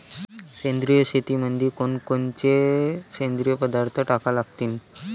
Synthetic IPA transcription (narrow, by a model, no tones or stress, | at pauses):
send̪ɾijəset̪imənd̪ʱikonkont͡ɕesend̪ɾijəpəd̪aɾt̪ʰəʈakalaɡ̚t̪iːn